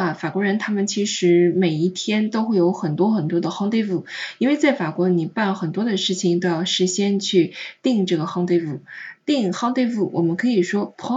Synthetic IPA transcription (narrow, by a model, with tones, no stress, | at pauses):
fa˨˩kwɔ˧˥ɻə˧˥nt̪ʰa˥mə˨nt͡ɕʰi˧˥ʂɻ̩˧˥me˨˩ɪi˥˩t̪ʰjɛ˥nt̪o˥ʊxwe˥˩ɪjo˧˥ʊxə˨˩nt̪wɔ˥xə˨˩nt̪wɔ˥d̪ə˧xɑ˥˧ŋt̪we˥˧ɪfu˥˩i˥nwe˥˧ɪt͡sa˥˩ɪfa˨˩kwɔ˧˥ni˨˩pa˥˩nlə˩xə˨˩nt̪wɔ˥d̪ə˨ʂɻ̩˥˩t͡ɕʰi˩ŋt̪o˥ʊjɑ˥˩ʊʂɻ̩˧˥ɕjɛ˥nt͡ɕʰy˥˧t̪i˥˧ŋʈ͡ʂɤ˥˩ɡə˩xɑ˥˧ŋt̪we˥˧ɪfu˥˩t̪i˥˧ŋxɑ˥˧ŋt̪we˥˧ɪfu˥˩wʔɔ̰˨˩mə˦nkʰɤ˧˥i˨˩ʂwɔ˥pʰɑ˧˥